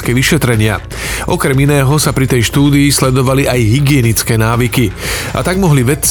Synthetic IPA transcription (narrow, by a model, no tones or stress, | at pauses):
kɛːʋiʃɛt̪ɾɛɲɪa̰ | ʔɔkɾɛminɛːɦɔsapɾit̪ɛjʃt̪uːd̪iːslɛd̪ɔʋaliʔajɦiɡɪɛnit͡skɛːnaːʋikiʔa̰t̪aɡmɔɦliʋɛt͡s